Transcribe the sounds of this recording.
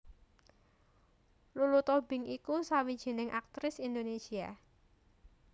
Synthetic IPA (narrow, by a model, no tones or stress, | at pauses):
lulut̪ob̥ɪ̤ŋikusawid̥ʒ̥i̤nɪŋʔak̚t̪ɾɪsind̪onesia